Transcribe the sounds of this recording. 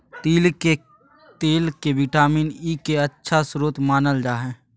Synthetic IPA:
t̪iːle | t̪eːlkeʋiʈaːmiːniːkeətːʃʰasɾoːt̪maːnəld͡ʒaːɦɛ̃ː

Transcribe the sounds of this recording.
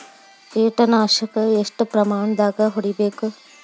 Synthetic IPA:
eːʈɐnaːʃɐkɐesʈpɾɐmaːɳd̪aɡɐɦoɽibek

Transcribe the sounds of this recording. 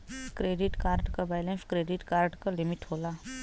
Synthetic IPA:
kɾeːɖɪʈkaːɾɖkabaːɪlẽnskɾeːɖɪʈkaːɾɖkalɪmɪʈɦoːlaː

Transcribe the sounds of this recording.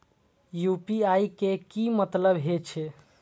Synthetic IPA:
jupiajkekimət̪ləbɦet͡ʃʰe

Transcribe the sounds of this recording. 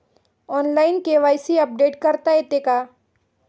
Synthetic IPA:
ɔːnlaːɪnkeʋaːɪsiɐp̚ɖeːʈkɐɾt̪aɦet̪eːkaː

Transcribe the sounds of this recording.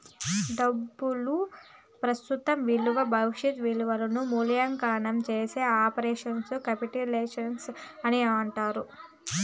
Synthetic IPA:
ɖɐbːulu | pɾɐst̪ut̪ɐmʋiluʋɐbʱɐʋiʂɐt̪ʋiluʋɐlɐnumuljaŋkaːnɐmt͡ʃeːseːaːpɐɾeːʂɐnskɐpiʈileːʂɐnsɐniaɳʈaːɾu

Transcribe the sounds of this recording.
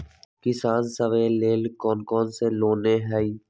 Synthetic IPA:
kɪsaːnsəʋeːleːlkɔːnkɔːnseːloːneːɦɛːiː

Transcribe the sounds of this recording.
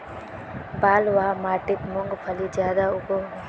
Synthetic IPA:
baːlʋaːmaːʈɪt̪mʊŋɡpʰɐlid͡ʒjaːd̪aʊbo

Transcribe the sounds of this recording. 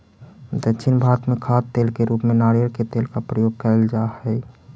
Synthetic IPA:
d̪ətːʃʰinbʱaːɾət̪mẽkʰat̪ːeːlkeɾuːpmẽnaːɾijəɾket̪eːlkapɾəjoːɡ̚kəld͡ʒahɛ

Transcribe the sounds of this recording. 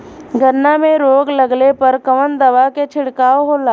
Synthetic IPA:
ɡʱəɾnamẽɾoːɡləɡlepɐɾkəʋənd̪ɐʋaket͡ʃʰɪɽkaːoɦoːlaː

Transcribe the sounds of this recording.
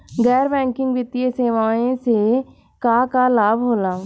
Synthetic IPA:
ɡɛːɾbɛ̃ːŋkɪ̃ŋɡʋɪt̪ieseːʋaːẽse | kaːkalaːbʱɦoːlaː

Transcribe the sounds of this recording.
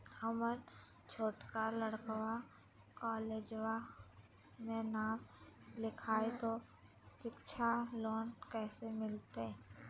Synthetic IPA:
həmən | t͡ʃʰoːʈkaləɽkʋa | kaːleːd͡ʒwa | mẽnaːmlɪkʰaːet̪o | ʃɪkʃʰaloːnkɛːsemɪlt̪e

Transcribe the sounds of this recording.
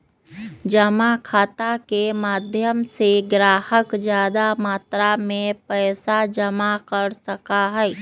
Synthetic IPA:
d͡ʒəmakʰaːt̪akemaːd̪ʱjəmseɡɾaːhəkd͡ʒjaːd̪amaːt̪ɾamẽpɛːsad͡ʒəmakəɾsəkaɦɛː

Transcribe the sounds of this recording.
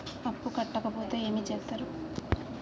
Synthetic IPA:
ɐpːukɐʈːɐkɐpoːt̪eːeːmit͡ʃɛːpt̪ːaːɾu

